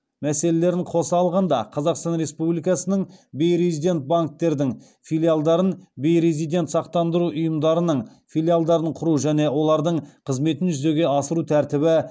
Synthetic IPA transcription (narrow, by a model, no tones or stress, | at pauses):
mæse̞le̞le̞ɾɪɴqʰo̞sɑːlˠʁɑnd̪ɑ̰qʰɑzɑqst̪ɑnɾe̞spublijkɑsənəɴbejɾezijd̪ʲe̞nt̪̚baŋk̚t̪e̞ɾd̪ɪŋ | filʲijalˠd̪ɑɾənbe̞jɾe̞zijd̪ʲe̞nt̪sɑqt̪ɑnd̪əɾuʔʊjəmd̪ɑɾənəɴfijlʲialˠd̪ɑɾəɴqʰʊɾuʒæne̞wo̞lˠɑɾd̪əɴqʰəzme̞t̪ɪnʒʏze̞ɡʲe̞ɑsəɾut̪ʰæɾt̪ɪbɪ